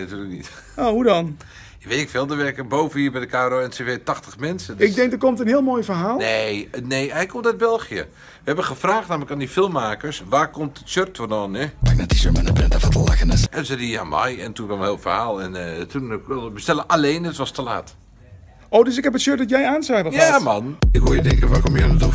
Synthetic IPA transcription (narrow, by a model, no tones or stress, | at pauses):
natyːlək̚nit | oːhudɔn | ʋetɪkfɪːlˠdəʋɛrkəbowvəniːbɛjdəkʰaːroːɛntevetaxtəxmɛnsəɪɡ̚dɪŋk̚dəkomtənɦiəlˠmoːjfərɦaːlˠneneːɛjkʰomtœd̚bɛlˠxijə | ʋəhɛbənxəfraːxtnaːmələkaːndifɪlˠmːaːkəɹsʋaːkomtətsørtfɔnɔnɛ̥ak̚nɛtisømənəbɛndafatəlˠakənətʔɛnsɛdia̰ma̰jɛntukʋɔlənhɪːlˠfərhaːlˠɛntʰunɪlˠəbəstɛlˠəʔaleːnətʋɔstəla̰ːt | oːdøsɪkhɛpətsøt̚dɔtjɛjaːnsɛjpəjamanɪkɦuəjədɪŋkənʋaːkomjɛnətu